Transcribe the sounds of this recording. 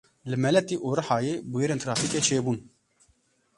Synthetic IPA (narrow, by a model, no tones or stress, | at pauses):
lɨmɛlɛt̪iːʔoːɾɨħɑːjeːbujeːɾeːnt̪ʰɾɑːfiːket͡ʃʰeːbuːn